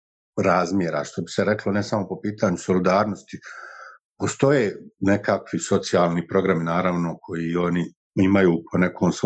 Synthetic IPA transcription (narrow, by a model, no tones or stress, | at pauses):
ɾaːzmjeɾa̰ʃt̪o̞bi̥seɾe̞klo̞nesamo̞popiːt̪aːɲuso̞lid̪aːɾnost̪i | po̞st̪o̞jeːne̞kakʋiso̞t̪sijaːlˠniːpɾo̞ɡɾaminaːɾaʋno̞kʰo̞jio̞ni | imajuːpʰone̞kʰoːmso